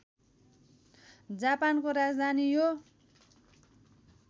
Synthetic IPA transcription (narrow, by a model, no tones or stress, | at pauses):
d͡zapankoɾad͡zd̪ʱanijo